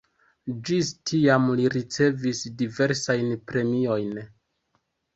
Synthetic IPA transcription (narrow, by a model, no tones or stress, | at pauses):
d͡ʒistʰiamliɾit͡se̞visdive̞ɾsajnpɾe̞mio̞jn